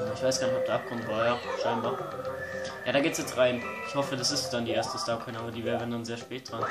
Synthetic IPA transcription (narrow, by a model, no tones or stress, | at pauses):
ɪçv̥aɪsɡ̥aːɐnɪçɔp̚d̥eːɐʔap̚kʰɔmtvaːjaːʃaɪnbaːɐ | jaːɾaːɡeːtsjɛt͡sʁ̥aɪn | ɪçhɔfədasɪstd̥andiːʔeːɐstəstaːkʰɛnaːbɐdiːvɛːɐvəndanzeːɐʃpɛːt̚d̥ʁan